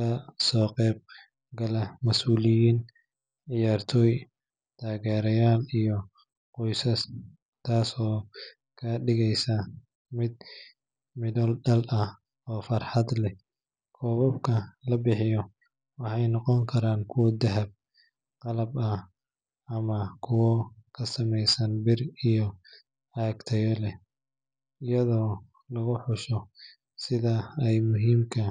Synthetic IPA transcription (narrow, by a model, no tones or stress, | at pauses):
ɐsɔːqɛːb̚ | ɡɐlɐmɐsuːlɪjiːn | ʕɪjaːrt̪ʰɔːj | t̪ʰaːɣɛːɾɐjaːlijɔ | qɔjsɐs | t̪ʰaːsɔː | kʰɐɖɪɣɛjsɐ | mɪd̪̚ | mɪðɔlɖɐlɐ | ɔːfɐrħɑd̪lɛ | kʰɔːβɔbkʰɐlɐbɪħɪjɔ | wɑħɑjnɔqɔŋkʰɐɾaːnkʰʊwɔd̪ɐɦɐb̚ | qɑlɐbɐ | ɐmɐkʰʊwɔkʰɐsɐmɛjsɐnbɪrijɔ | aːɡt̪ʰɐjɔlɛ | ɪjɐðɔː | lɐɣʊħʊʃɔ | sɪðɐɛjmʊɦiːmkʰɐ